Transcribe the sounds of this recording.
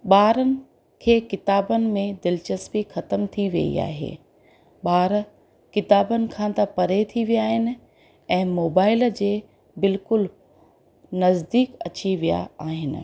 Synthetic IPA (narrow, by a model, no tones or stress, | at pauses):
ɓaːɾənɪ̆ | kʰeːkɪt̪aːbənɪ̆mẽd̪ɪlt͡ɕəspixɐt̪əmt̪ʰiʋɐ̰ḭa̰ːɦḛː | ɓaːɾ | kɪt̪aːbənɪ̆kʰãt̪ɐpɐɾet̪ʰiʋijaːɦɪnɪ̆ | ɛ̃ːmoːbaːɪld͡ʑeː | bɪlkʊl | nɐzd̪iːkɐ̰t͡ɕiʋija̰aːɦɪnɪ̆